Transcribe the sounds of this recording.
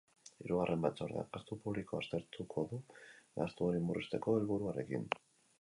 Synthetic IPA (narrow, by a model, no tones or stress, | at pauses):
iɾuɣ̞arʔe̞mbat̪t͡so̞ɾðea̰past̪upuβliko̞ast̪e̞ɾt̪ukʰo̞ðulast̪uoɾimurʔist̪e̞ko̞elβuɾuare̞̰kḭn